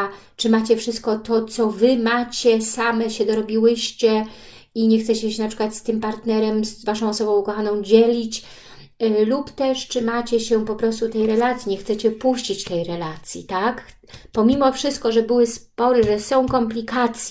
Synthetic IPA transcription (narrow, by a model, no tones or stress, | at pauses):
t͡ʂɘmat͡ɕɛfʂɘst̪̚kɔt̪ɔt̪sɔvɘmat͡ɕɛsamɛɕɛd̪ɔɾɔbʲiwɘɕt͡ɕɛ | iɲɛxt̪sɛt͡ɕɛɕɛnapʂɘkwat̪st̪ɘmpaɾt̪nɛɾɛmsvaʂɔ̃w̃ɔsɔbɔ̃w̃ukɔxanɔ̃w̃d͡ʑɛlʲit͡ɕ | lupt̪ɛʂt͡ʂɘmat͡ɕɛɕɛpɔpɾɔst̪ut̪ɛjɾɛlat̪sʲjiɲɛxt̪sɛt͡ɕɛpuɕt͡ɕit͡ɕt̪ɛjɾɛlat̪sʲjḭt̪ak | pɔmʲimɔfʂɘst̪̚kɔʐɛbɘwɘspɔɾɘʐɛsɔ̃w̃kɔmplʲikat̪sʲj